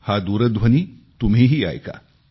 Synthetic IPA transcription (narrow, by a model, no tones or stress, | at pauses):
haːd̪uːɾɐd̪ʋʱɐni | t̪umeɦia̰ːjka̰